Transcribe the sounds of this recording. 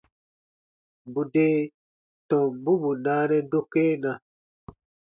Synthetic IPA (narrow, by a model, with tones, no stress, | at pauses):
bu˨deː˦ | tɔ̃˨bu˦bu˨naː˦nɛ̃˦do˦keː˦nã˨